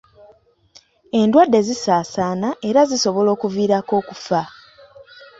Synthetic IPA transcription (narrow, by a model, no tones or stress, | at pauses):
e̞ndwadːe̞zisaːsaːnaʔe̞ɾaziso̞βo̞lo̞ːkuviːɾako̞ːkufa